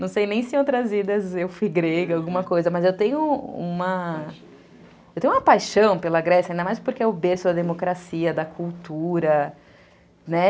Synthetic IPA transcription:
nɐ̃w̃sejnẽj̃sɪowt̪ɾɐzid̪ɐzewfiɡɾeɡawɡũmɐkojzɐmɐzewt̪ẽjʊṵ̃mɐ | ewt̪ẽj̃ũmɐpajʃɐ̃w̃pelɐɡɾɛsjɐĩnd̪ɐmajspoɾkeɛʊbesʊd̪ɐd̪emokɾasiɐd̪ɐkʰuwt̪uɾɐ | nɛ

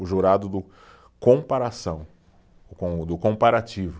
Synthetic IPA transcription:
ʊʒuɾad̪ʊd̪ʊ | kõpaɾasɐ̃w̃ | ʊkõd̪ʊkõpaɾat͡ʃivʊ

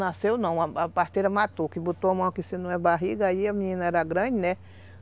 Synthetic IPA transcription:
nasewnɐ̃w̃aapaɾt̪ejɾɐmat̪okɪbot̪oamɐ̃w̃kisinɐ̃w̃ɛbaɦiɡɐaiamĩɲĩnɐɛɾɐɡɾɐ̃d͡ʒinɛ

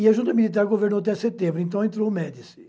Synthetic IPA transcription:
iɐʒũnt̪ɐmilit̪aɾɡoveɾnowɐt̪ɛset̪ẽmbɾʊẽnt̪ɐ̃w̃ẽnt̪̬ɾomɛd̪isɪ

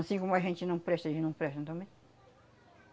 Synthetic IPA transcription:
ɐsĩkõmʊɐʒẽnt͡ʃɪnɐ̃w̃pɾɛʃt̪ɐʒẽt͡ʃɪnɐ̃w̃pɾɛʃt̪ɐ̃t̪ɐ̃mẽj̃

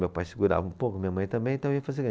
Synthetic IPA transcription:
mewpajsɪɡuɾa̰vɐũpokʊmiɲɐmɐ̃j̃t̪ɐ̃mbẽj̪̃t̪ɐ̃eiɐfazeɾɡɐ̃

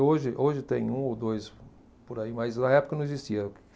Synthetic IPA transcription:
oʒɪʔoʒɪt̪ẽj̃ũowd̪ojs | poɾaimɐjznɐɛpʊ̥kɐnʊzd͡ʒisiɐʊkɪ̥

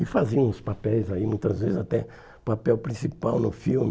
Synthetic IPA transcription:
ɪfaziɐ̃ʊspapɛjzaimũj̃t̪ɐzvezɪzat̪ɛ | papɛwpɾĩsipawnʊfiwm

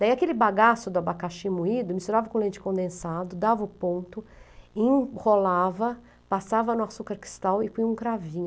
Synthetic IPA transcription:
d̪aiakelɪbaɡasʊd̪ʊabakaʃĩmuid̪ʊmist̪uɾavɐkõlẽnt͡ʃɪ̥kõnd̪ẽsad̪ʊd̪avɐʊpõnt̪ʊẽholavɐ | pasavɐnʊ̃asukɐɾkɾi̥st̪awɪpuĩũkɾavĩɲ

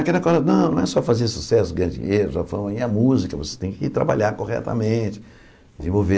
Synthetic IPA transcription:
ɐkɛlɐkɔlɐnɐ̃w̃nɐ̃w̃ɛsɔfazeɾsu̥sɛsʊɡɾɐ̃d͡ʒḭelʊʒafɐ̃mĩɐmuzikɐvose̥t̪ẽj̃kɪit̪ɾa̰ba̰ʎaɾkohɛ̰t̪ɐ̰mẽt͡ʃɪ̥ | dɪzẽvowve

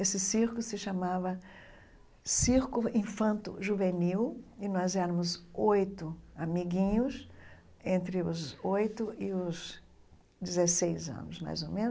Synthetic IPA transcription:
esɪsiɾkʊsɪʃamavɐ | siɾkʊĩfɐ̃nt̪ʊ̰ʒuveniwɪnɔzɛɾɐ̃mʊzojt̪ʊamiɡĩɲʊs | ẽnt̪ɾɪʊzojt̪ʊɪʊz | d͡ʒɪzesejzɐ̰̃nʊsma̰jzomẽnʊ

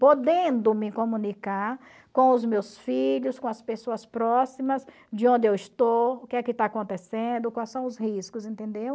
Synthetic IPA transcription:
pod̪ẽnd̪ʊmɪkõmũnikaɾ | kõʊzmewsfiʎʊskõɐspesoɐspɾɔsimɐz | d͡ʒɪõnd̪ɪewɪst̪oʊkɪɛkɪt̪aakõnt̪esẽnd̪ʊkwajsɐ̃w̃ʊzhiskʊzẽnt̪ẽnd̪ew

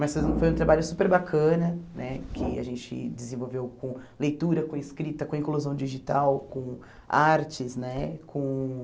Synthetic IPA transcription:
mɐsez̃fojũt̪ɾabaʎʊsupeɾbakʰɐ̃nɐnɛkʰɪa̰ʒẽt͡ʃɪ̰d͡ʒɪzẽvowvewkõlejt̪uɾɐkõiskɾit̪ɐkõĩkluzɐ̃w̃d͡ʒiʒit̪awkõ | aɾt͡ʃɪznɛkʰõ

